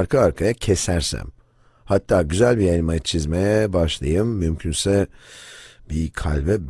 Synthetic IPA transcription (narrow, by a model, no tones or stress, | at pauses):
ɾkʰaːɾkʰajacʰesæɾsæ̰m | hat̪ʰːaːɟyzælʲbijajnimajat͡ʃʰizmejɛbaʃlˠajɯmːymcʰynsɛ | bikʰa̰lʲbɛb